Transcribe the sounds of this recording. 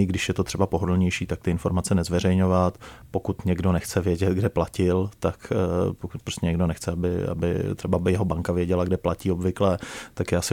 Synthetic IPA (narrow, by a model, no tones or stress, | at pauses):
ɪɡdɪʃjɛt̪o̞t̪r̝̥ɛbapo̞ɦodl̩ɲɛjʃiːt̪akt̪ɪɪnfo̞ɾmat͡sɛnɛzvɛr̝ɛjɲo̞vat̪po̞kut̪ɲɛɡdo̞nɛxt͡sɛvjɛɟɛt̪ɡdɛplacɪlt̪akpokut̪pɾoscʲɛɲɛɡdo̞nɛxt͡sɛabɪ̰a̰bɪ̰t̪r̥ɛbabɪjɛɦobaŋkavjɛɟɛlaɡdɛplaciːobvɪklɛt̪akjaːsɪ